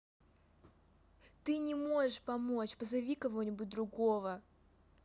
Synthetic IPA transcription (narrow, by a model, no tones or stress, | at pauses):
t̪ɨnʲɪmo̞ʐɨʂpɐmo̞t͡ɕpəzɐvʲikɐvo̞nʲɪbʊt̚ʲd̪ɾʊɡo̞və